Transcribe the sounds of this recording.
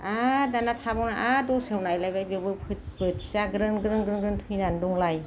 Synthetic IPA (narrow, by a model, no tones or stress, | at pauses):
adanatʰabɔwnaʔadɔsewnajlajbajbɯbɯpʰɯt̚bɯtʰsaɡɾɯnɡɾɯnɡɾɯnɡɾɯntʰɯjnandɔŋlaj